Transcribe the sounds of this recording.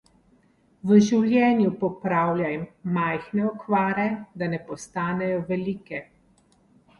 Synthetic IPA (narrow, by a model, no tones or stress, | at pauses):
ʋəʒiwlʲjɛːnjupɔpɾaːwljajmːajxnɛɔkʋaːɾɛd̪anɛpɔst̪aːnɛjɔʋɛliːkɛ